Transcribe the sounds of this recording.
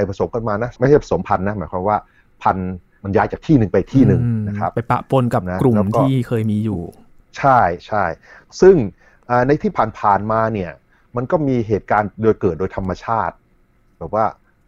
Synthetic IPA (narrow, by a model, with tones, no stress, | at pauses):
a˧jpʰɾa˧so˨˩˦mka˧nmaː˧na˦˥ma˥˩jha˥˩pʰa˧˩so˩˦mpʰa˧nːa˦˥maː˩˦jkʰaː˧mwaː˥˩ | pʰa˧n | ma˧njaː˦˥jt͡ɕaː˨˩kt̪ʰiː˥˩nɯ˨˧ŋpa˧jt̪ʰiː˥˩nɯ˨˩ŋna˦˥kʰɾa˦˥ppa˧jpa̰˨po˧nka˨˩na˦˥kɾu˨˩lɛ˦˥wtk̪ɔː˥i˩iː˥˩kʰɤː˧jmiː˧juː˨˩ | t͡ɕʰa˥˩jt͡ɕʰa˥˩j | sɯ˥˩ŋ | ʔaː˨˩na˧jt̪ʰiː˥˩pʰaː˨˩npʰaː˨˩nmaː˧ni˥˩ɐ | ma˧nkɔː˥˩miː˧ɦeː˨˩t̪̚kaː˧ndoː˧jkɤː˨˩t̪̚doː˧jt̪ʰa˧mːa˧t͡ɕʰaː˥˩t̪̚ | bɛː˨˩p̚waː˥˩